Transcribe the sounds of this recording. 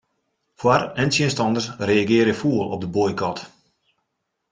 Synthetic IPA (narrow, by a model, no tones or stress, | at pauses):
fwarɛntjiənstɔndəsreaɡɪəɾjəfuəlˠɔ̰p̚dəbojkɔt